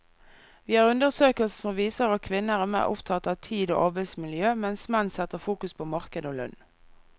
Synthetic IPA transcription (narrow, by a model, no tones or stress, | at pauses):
ʋiːhɑːʁʉnd̪əʁsøːkəlssɔmʋiːsəʁɑkʰʋɪnːəʁæːʁmæ̰ːʁʊ̰pt̪ʰɑt̪ɑːʋt̪ʰiːd̪o̰ːʔɑbəsmɪljøːmɛnsmɛnnsɛt̪əʁfuːkʉspʰoːmɑʁkəd̪oːlœ̰n